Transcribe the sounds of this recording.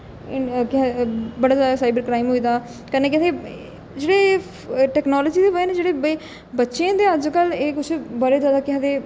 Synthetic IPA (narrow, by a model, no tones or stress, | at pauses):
ɪkɪãbəɽaːzasaːɪbəɾkɾaːimɦoiːd̪aː | kənẽːkɪseː | d͡ʒeːɽeː | ʈɛːknaːlɔːd͡ʒiːd̪eːʋənẽd͡ʒeːɽeːb | bətːʃeãːd̪eːəd͡ʒkəleːkʊt͡ʃʰbəɾeːd͡ʒjaːd̪aːkɪɦãd̪eː